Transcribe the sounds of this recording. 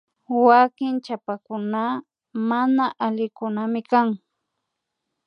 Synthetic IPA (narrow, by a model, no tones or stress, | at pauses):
wakɪnt͡ʃapakʊna | manaʔalɪkʊnamɪkaŋ